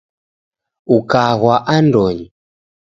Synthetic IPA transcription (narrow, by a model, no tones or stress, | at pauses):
ukaɣwaʔandɔɲi